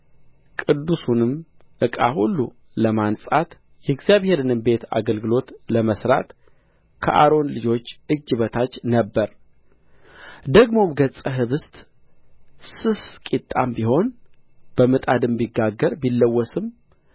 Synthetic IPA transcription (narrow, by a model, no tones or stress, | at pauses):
kʼɨd̪ːusunɨm | ʔɨkʼa̰hulːu | ləmansʼat̪ | jɛɡzjaβhe̞ɾɨnɨmbe̞t̪a̰ɡəlɡɨlo̞t̪ləməsɾa̰t̪ | kʰə̰ʔa̰ɾo̞nlɨd͡ʒo̞t͡ʃːʔɨd͡ʒːɨβət̪ʰat͡ʃːnəbːəɾ | d̪əɡmo̞mɡət͡sʼəɦɨβɨst̪ʼ | sɨskʼit̪ʼːambiho̞n | b̥əmɨt̪ʼad̪ɨmbiɡːaɡəɾbilːəwːɔsɨm